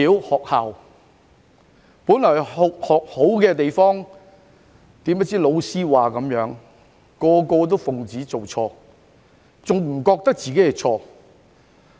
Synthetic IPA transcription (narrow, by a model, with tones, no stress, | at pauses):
iː˨˥whɔː˨k̚haː˨w | puː˨˥nlɔː˨˩ho˨˧khɔː˨k̚ho˨˥wkɛː˧t̪e˨jfɔː˥ŋ | t̪iː˨˥mɐ˥t͡siː˥lo˨˧wsiː˥waː˨kɐ˨˥mjœː˨˧˥ŋ | kɔː˧kɔː˧t̪̬o˥wfʊ˨ŋt͡siː˨˥t͡so˨wt͡ʃʰɔː˧ | t͡sʊ˨ŋm̩˨˩kɔː˧k̚t̪ɐ˥k̚t͡siː˨ke˨˦˥jɛ˨t͡sʰɔː˧